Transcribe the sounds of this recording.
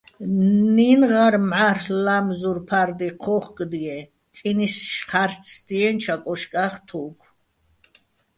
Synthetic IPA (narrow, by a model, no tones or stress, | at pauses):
ninʁaɾmʕarlamzuɾpʰaɾd̪iqʰɔχkʼd̪iɛ | t̪ʼinisʃχaɾt͡sʰd̪iɛnt͡ʃʰakʼɔʃkʼaχt̪ʰukʰ